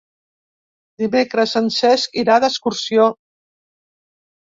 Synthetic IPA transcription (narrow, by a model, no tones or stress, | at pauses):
d̪imekɾəsansɛskiɾaðəskuɾsio